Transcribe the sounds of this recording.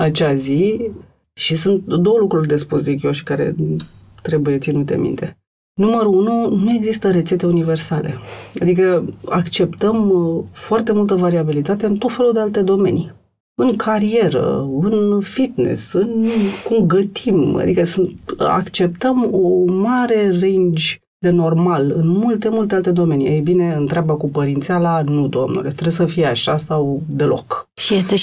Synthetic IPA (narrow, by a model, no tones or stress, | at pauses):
at͡ʃeazi | ʃisunt̪̚d̪o̞wəlukɾurʲd̪e̞spusd̪ikjo̞wʃi̥kaɾe̞̰t̪ɾe̞buje̞t̪sinut̪e̞̰mḭnt̪e̞ | numəɾuununue̞ɡzist̪əɾe̞t̪se̞t̪e̞unive̞rsale̞̰a̰d̪ikəakt͡ʃe̞pt̪əmfoart̪e̞mult̪əvaɾiabilit̪at̪e̞ɨnt̪ot̪fe̞lud̪e̞alt̪e̞d̪o̞me̞̰ni | ɨŋkʰaɾie̞ɾə̰ɨnfit̪nḛsɨnkumɡət̪ima̰d̪ikəsɨnt̪a̰kt͡ʃe̞p̚t̪əmomaɾerend͡ʒʲ | d̪e̞no̞rmalɨ̰nmult̪e̞mult̪e̞alt̪e̞d̪o̞me̞nḭejbine̞ɨnt̪ɾeabakupəɾint̪sialanud̪o̞̰mnṵle̞t̪ɾesəfijeaʃasawd̪e̞lʔo̞̰kʃijest̪e